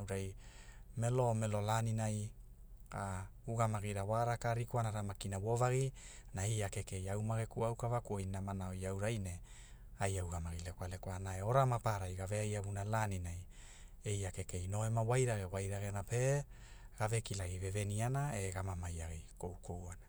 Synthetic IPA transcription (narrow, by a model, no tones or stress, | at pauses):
wɾajmelo̞melo̞laninaj | a | uɡamaɡiɾawaɾakaɾikuanaɾamakinawovaɡinaejakeke̞jawmaɡekuawkavakuojnamanaojawɾajne | ajawɡamaɡilekoalekoanaeo̞ɾamapaɾajɡaveajaβunalaninaj | e̞jake̞ke̞jno̞emawajɾaɡewajɾaɡenape̞ | ɡ̥ave̞kilaɡiveve̞nianaeɡamamajaɡiko̞wko̞wana